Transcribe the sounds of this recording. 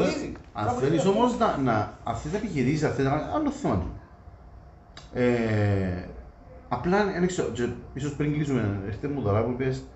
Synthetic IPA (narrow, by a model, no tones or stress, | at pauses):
ɐ̰nfenisomoznɐnɐɐft̪it̪ɐepiçiɾisisɐfθit̪ɐɐnːoθonḭ | e | ɐplɐnenekseot͡ʃeisospɾiŋɡlis̬umeest̪emːuðoɾɐpuipes